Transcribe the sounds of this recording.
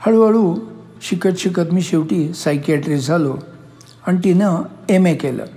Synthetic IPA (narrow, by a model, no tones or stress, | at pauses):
həɭʋəɭu | ɕikət̪ɕikət̪miːɕeʋʈiːsajkiaʈɾiːd͡zʱalo | añit̪inəemekelə̰